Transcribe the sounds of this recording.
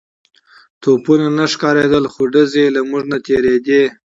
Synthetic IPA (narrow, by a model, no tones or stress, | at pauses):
t̪opunanaʂkɑɾed̪əlxoɖəzelamuʐnat̪eɾed̪e